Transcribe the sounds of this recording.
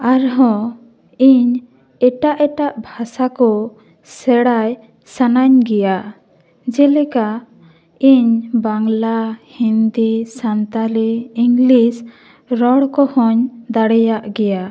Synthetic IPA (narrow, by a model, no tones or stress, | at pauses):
aɾɦɔ̃ | iɲ | ɛʈaʔɛʈaʔbʱasakɔ | sɛɽaj | sanaɲɡɛja | d͡ʒɛlɛka | iɲbaŋlahind̪isant̪aliiŋlis | ɾɔɽkɔhɔ̃ɲd̪aɽɛjaʔɡɛja